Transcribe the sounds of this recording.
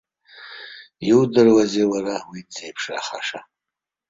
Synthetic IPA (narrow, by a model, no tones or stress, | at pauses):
iwdɨrwazewaɾawid͡zejpʰʂra̰χaʂa